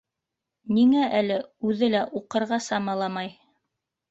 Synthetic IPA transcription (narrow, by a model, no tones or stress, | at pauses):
niŋæʔælɘʉðɘlæʔuqɤ̆ɾʁɑsɑmɑlˠɑmɑj